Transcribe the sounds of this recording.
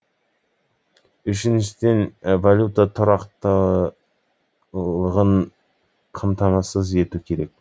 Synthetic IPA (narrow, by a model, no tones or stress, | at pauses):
ʏʃɪnʃɪd̪envalʲjut̪at̪ʰʊɾɑqt̪ə | lˠəʁəɴ | qʰɑmt̪ɑmɑsəze̞t̪ukʲʰe̞ɾe̞k̚ʲ